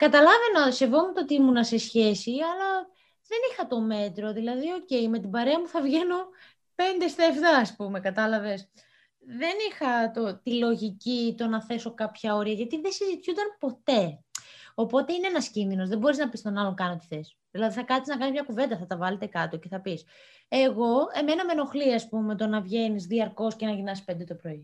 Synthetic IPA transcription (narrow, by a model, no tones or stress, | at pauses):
kɐt̪ɐlɐve̞nɐse̞vomut̪ot̪imunɐse̞sçe̞siɐlɐ | ðe̞nixɐt̪o̞me̞t̪ɾo̞ðilɐðio̞ce̞jme̞t̪ibɐɾe̞ɐmuθɐvʝe̞no | pe̞nd̪e̞st̪ɐeft̪ɐːspume̞kɐt̪ɐlɐve̞s | ðe̞nixɐt̪o̞t̪ilo̞ʝicit̪o̞nɐθe̞so̞kɐpçɐo̞ɾiɐʝɐt̪iðesizit̪çund̪ɐnpo̞t̪e̞ | o̞po̞t̪eineenɐscimino̞zðebo̞ɾiznɐpist̪o̞nɐlo̞ŋkɐnot̪i̥θes | ðilɐðiθɐkɐt̪iznɐkɐnizmɲɐkuve̞nd̪ɐθɐt̪ɐvɐle̞t̪e̞kɐt̪oce̞θɐpis | e̞ɣo̞e̞me̞nɐmeno̞xliɐspume̞t̪o̞nɐvʝenizðiɐɾko̞scenɐʝinɐsispe̞nd̪e̞t̪o̞pɾo̞i